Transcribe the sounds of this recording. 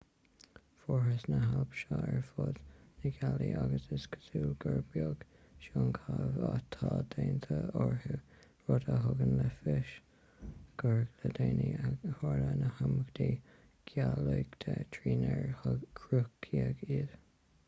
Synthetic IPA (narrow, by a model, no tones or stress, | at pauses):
foɦəsnəɦalpʃɑːɛɹfoːd̪nəɡaliʔaɡəsəsɡʰə̥suːlɡəɹbjoɡ̥ | ʃoːnkʰavat̪ʰɑːd̪eːnt̪ʰəɔɹhu | ɹod̪əɦʊɡənləfɪʃ | ɡ̥əɹɡləd̪eːnihoɹlənəhaməɡd̪̥iː | ɡ̥jalujɡt̪ʰət̪ʰɹiːnɛɹhɡʰɹʊkʰiəɡiːɾ